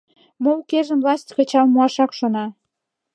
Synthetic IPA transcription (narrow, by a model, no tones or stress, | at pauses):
mowkeʒə̆mvlɑsʲtʲkət͡ɕɑlmuɑʃɑkʃonɑ